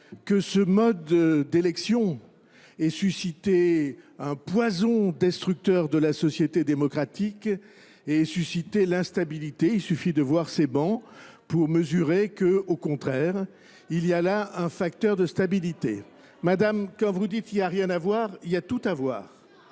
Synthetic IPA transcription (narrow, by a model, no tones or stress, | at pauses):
kəsəmɔd̪d̪elɛksjɔ̃ | ɛsysit̪eɛ̃pwazɔ̃d̪ɛst̪χyk̚t̪œʁd̪əlasɔsjet̪ed̪emɔkχat̪ik | eɛsysit̪elɛ̃st̪abilit̪eilsyfid̪əvwaʁsebɑ̃puʁməzyʁekəokɔ̃t̪χɛʁ | ilijalaɛ̃fakt̪œʁd̪əst̪abilit̪ḛ | mad̪amkɑ̃vud̪it̪ilijaʁjɛ̃navwaʁiljat̪ut̪avwa̰ːʁ